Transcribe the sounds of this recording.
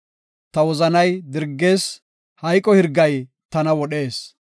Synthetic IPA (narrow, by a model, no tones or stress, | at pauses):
t̪ɐwɔzɐnɐjd̪ɪɾɡːe̞ːs | hɐjkʼːɔhɪɾɡːɐj | t̪ɐnɐwɔɗe̞ːs